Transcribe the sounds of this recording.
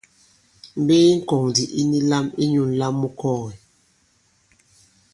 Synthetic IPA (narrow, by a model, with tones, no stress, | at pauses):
m̩˦be˦i˦ŋ̩˦kɔ˨ŋdi˨ʔi˦ni˦la˦mi˦ɲu˦˨n˨la˦mːu˦kɔ˦˨ɣɛ˨